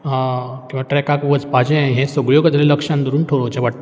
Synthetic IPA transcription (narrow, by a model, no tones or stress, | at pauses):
kĩw̃ʋaʈɾɛkakʋəd͡zpad͡ʑẽɦɛ̃soɡɭjokət̪leləkʂãnd̪əɾuːnʈʰoɭot͡ɕãʋaʈ̪̚